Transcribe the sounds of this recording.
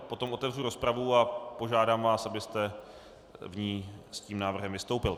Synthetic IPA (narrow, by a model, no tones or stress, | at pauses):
po̞t̪o̞mʔo̞t̪ɛvr̝uɾo̞spɾavuapo̞ʒaːdaːmvaːsʔabɪst̪ɛ | vɲiːsciːmnaːvr̩ɦɛmvɪst̪owpɪl